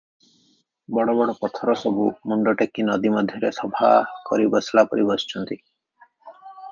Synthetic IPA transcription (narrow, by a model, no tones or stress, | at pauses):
bɔɽɔbɔɽɔpɔt̪ʰɔɾɔsɔbʱumuɳɖɔʈekːinɔd̪imɔd̪ʱjɔɾesɔbʱa̰kɔɾibɔslapɔɾibɔst͡ʃɔnt̪i